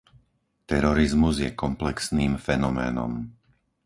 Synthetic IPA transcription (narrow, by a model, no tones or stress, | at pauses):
t̪ɛɾɔɾizmuzjɛkɔmplɛksniːmfɛnɔmɛ̰ːnɔ̰m